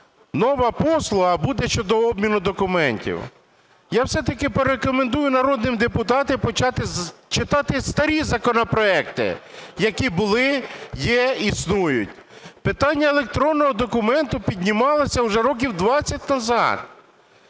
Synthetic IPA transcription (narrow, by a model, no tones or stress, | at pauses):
nɔʋɐpɔslˠʊɦɐbud̪ɛʃt͡ʃɔd̪ɔɔbmʲinʊd̪ɔkʊmɛnʲtʲḭw | jawsɛt̪ɐkɪpeɾekɔmend̪ujʊnɐɾɔd̪nɪmd̪epʊt̪ɑt̪ɪpɔt͡ʃɑt̪ɪt͡ʃɪt̪ɑt̪ɪst̪ɐɾʲizɐkɔnɔpɾɔɛkt̪ɪ̰jɐkibʊlˠɪjɛisnujʊ̰tʲpɪt̪ɑnʲːɐelˠek̚t̪ɾɔnːɔɦɔd̪ɔkʊmɛnt̪ʊpʲidʲnʲimɑlˠɔsʲɐʊʒɛɾɔk̬ʲiwd̪ʋɑt͡sʲːɐt̚ʲnɐzɑ̰d̪